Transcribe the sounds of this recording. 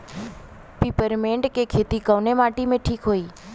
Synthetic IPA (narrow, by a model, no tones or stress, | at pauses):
pipəɾmeɳɖkekʰet̪ikəʋnemaʈimẽʈʰiːkɦoi